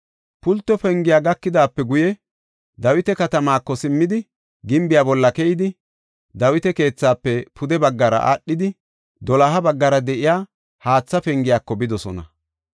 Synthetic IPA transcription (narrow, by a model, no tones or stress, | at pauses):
pʊlt̪ːɔpɛŋɡɪjaːɡɐkːɪd̪aːpːɛɡʊjɛ | d̪ɐwɪt̪ɛkɐt̪ɐmaːkːɔsɪmːɪd̪ɪ | ɡɪmbɪjaːbɔlːɐkɛjɪd̪ɪ | d̪ɐwɪt̪ɛke̞ːt͡sːaːpːɛpʰʊd̪ɛbɐɡːɐɾɐ̰ʔa̰ɗːɪd̪ɪ | d̪ɔlaɦɐbɐɡːɐɾɐd̪ɛʔɪjaː | haːt͡sːɐpɛŋɡɪjaːkːɔbɪd̪ɔsɔ̰nɐ̰